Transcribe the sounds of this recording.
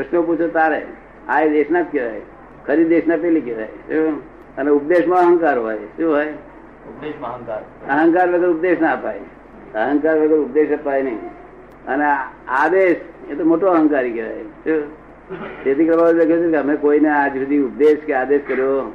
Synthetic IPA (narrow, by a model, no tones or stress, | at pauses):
pɾəʃnoput͡ʃʰot̪aɾe | aːjd̪esnat̪̚keʋa̰e | kʰəɾiesnapelikeʋa̰jso | əneʊp̚d̪eʃmãəɦə̃ŋkaɾɦojsuɦoj | əɦə̃ŋkaːɾʋeɡəɾʊp̚d̪esnaəpa̰e | əɦə̃ŋkaɾʋeɡəɾʊp̚d̪eʃəpajnəḭ | ə̰nead̪eʃet̪omoʈoəɦə̃ŋkaɾikeʋa̰jso | t̪et̪ikɾəbaːbd̪ekʰjot͡ʃʰekeɦəmẽkoinead͡ʒbid̪ʱiʊp̚d̪eʃkead̪eskəɾjo